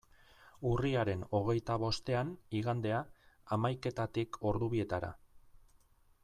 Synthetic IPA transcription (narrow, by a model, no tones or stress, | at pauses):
uriaɾe̞no̞ɣ̞e̞jt̪aβo̞st̪e̞aniɣand̪e̞aːmajke̞t̪at̪iko̞ɾðuβie̞t̪aɾa̰